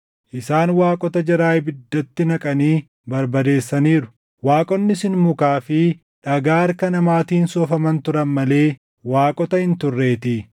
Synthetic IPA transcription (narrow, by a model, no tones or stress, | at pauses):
ʔɪsaːnwaːkʼɔt̪ɐd͡ʒɐɾaːjbɪd̪ːɐt̪ːɪnɐkʼɐniː | bɐɾbɐd̪e̞ːsːɐniːɾʊ̥ | waːkʼɔnːɪsɪnmʊkaːfɪ | ᶑɐɡaːɐɾkɐnɐmaːt̪iːnsɔfɐmɐnt̪ʊɾɐnmɐle̞ː | waːkʼɔt̪ɐhɪnt̪ʊrːe̞ːt̪i